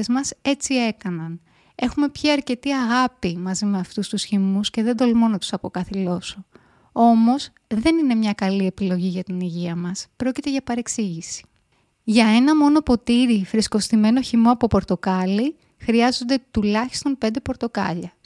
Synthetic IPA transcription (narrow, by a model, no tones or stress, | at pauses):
ezmɐse̞t͡sie̞kɐnɐn | e̞xume̞pçiɐɾce̞t̪iɐɣɐpimɐzime̞ɐft̪ust̪usçimusce̞ðe̞nd̪o̞lmo̞nɐt̪u̥sɐpo̞kɐθilo̞so | o̞mo̞s | ðe̞nine̞mɲɐkɐlie̞pilo̞ʝiʝɐt̪iniʝiɐmɐspɾo̞cit̪e̞ʝɐpɐɾe̞ksiʝisi̥ | ʝɐe̞nɐmo̞no̞po̞t̪iɾifɾisko̞st̪ime̞no̞çimo̞ɐpo̞po̞ɾt̪o̞kɐli | xɾiɐzo̞nd̪e̞t̪ulɐçi̥st̪o̞npe̞nd̪e̞po̞ɾt̪o̞kɐʎɐ